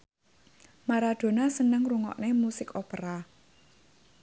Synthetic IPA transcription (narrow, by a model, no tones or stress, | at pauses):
maɾad̪̥o̤nasənəŋruŋɔ̰ʔnemusɪkopəɾa